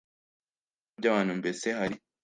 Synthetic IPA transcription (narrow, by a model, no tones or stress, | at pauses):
ɟaβaːnumbesehaɾi